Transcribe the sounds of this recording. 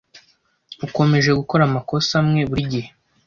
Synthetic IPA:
uko̞me̞ʒe̞ɡuko̞ɾamako̞samŋe̞βuɾiɟihe̞

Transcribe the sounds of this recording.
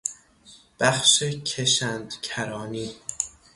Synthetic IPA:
b̥æxʃecʰeʃænd̪cʰæɾɒːniː

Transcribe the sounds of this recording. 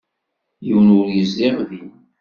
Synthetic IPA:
jəwnʊɾjəzːɪʁði

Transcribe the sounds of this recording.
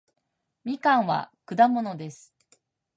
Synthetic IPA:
mʲikãɰ̃βa̰kɯ̟d̪amo̞no̞d̪e̞sɨ̥

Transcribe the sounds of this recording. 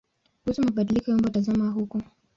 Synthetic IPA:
husumaɓaɗilikɔjɔmbɔtazamaɦukɔ

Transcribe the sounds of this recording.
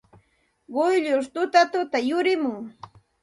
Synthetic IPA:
ɢʊjʎʊʃt̪ʊt̪at̪ʊt̪ajʊɾɪmʊŋ

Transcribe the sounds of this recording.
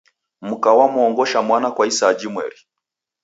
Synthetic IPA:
m̩kawamuɔŋɡɔʃamwanakwaisad͡ʒimwɛ̰ɾi

